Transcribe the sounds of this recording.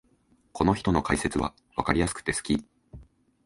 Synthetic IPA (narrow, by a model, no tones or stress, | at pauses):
kʰo̞no̞çi̥t̪o̞no̞kaise̞t͡sɨβa̰ | βa̰kaɾʲijasɨ̥kɯ̟̥t̪e̞sɨ̥kʲi